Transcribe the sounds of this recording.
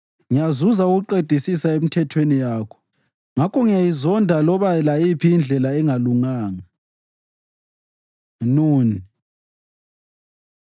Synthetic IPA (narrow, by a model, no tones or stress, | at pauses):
ŋijazuzauɣuǃed̥ʱisisaemitʰɛtʰwenijaːkʰɔ̥ | ŋakʰɔŋijajizɔndʱalɔβajɛlajipʰiind͡ɮʱɛlaɛŋaluŋaːŋa | nuːni